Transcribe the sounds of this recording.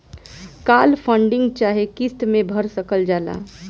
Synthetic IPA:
kaːlpʰə̃ɳɖɪ̃ŋɡt͡ʃaːɦekɪst̪mẽbʱəɾsəkəld͡ʒaːla̰ː

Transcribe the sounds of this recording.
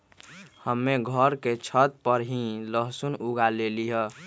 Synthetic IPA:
həmːeɡʱəɾket͡ʃʰət̪̚pəɾɦĩləɦsunuɡaleliɦə

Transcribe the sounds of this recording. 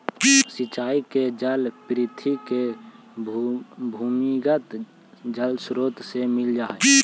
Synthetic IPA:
sɪt͡ʃaːiked͡ʒəlpɾɪt̪ʰike | bʱuːmiɡət̪ | d͡ʒəlsɾoːt̪semɪld͡ʒaːe

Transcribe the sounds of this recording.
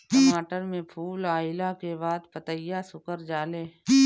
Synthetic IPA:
kəmaːʈəɾmẽpʰuːlaːɪlakebaːd̪pət̪əɪjasʊkəɾd͡ʒaːleː

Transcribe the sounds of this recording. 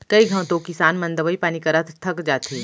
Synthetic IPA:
kɐiɡʱɐ̃ːt̪õkɪsaːnmɐ̃nd̪əʋəipaːnikɐɾat̪ʰt̪ʰɐkd͡ʒaːt̪ʰui

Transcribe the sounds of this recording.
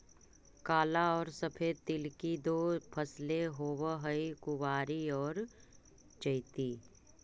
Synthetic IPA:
kaːlaɔːɾsɐpʰeːt̪ɪlkid̪oːpʰɐsleɦoːwəɦəikʊʋaːɾiɔːɾ | t͡ʃəɪt̪iː

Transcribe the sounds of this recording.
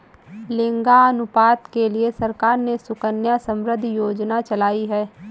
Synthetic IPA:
lẽːŋɡaɐnʊpaːt̪keliesɐɾkaːɾnesʊkənjasə̃mɾəd̪ʱjoːd͡ʒnat͡ʃɐlaːiɦɛː

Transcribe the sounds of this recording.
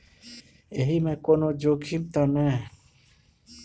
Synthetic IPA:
eɦimẽkonod͡ʒoɡimt̪anɛ̃

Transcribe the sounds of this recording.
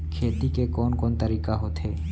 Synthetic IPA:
kʰeːt̪ikekɔːnkɔːnt̪əɾiːkaɦot̪ɦeː

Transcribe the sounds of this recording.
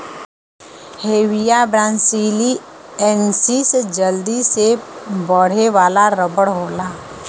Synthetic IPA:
heːwijabɾãːnsiːli | ɛnsisd͡ʒəld̪isebəɽ̤eʋaːlaɾəbəɽɦoːlaː

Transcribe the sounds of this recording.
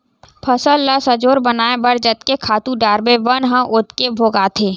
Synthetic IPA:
pʰəsəlːasəd͡ʒoːɾbənaːebəɽd͡ʒət̪kekʰaːt̪ũɖaːɾbeʋənɦə̃ʔʊt̪kebʱoːɡaːt̪ʰeː

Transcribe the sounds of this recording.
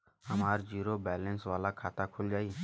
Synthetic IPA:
əmaːɾd͡ʒiːɾoːbɛːlə̃nsʋaːlakʰaːt̪aːkʰʊld͡ʒaːiː

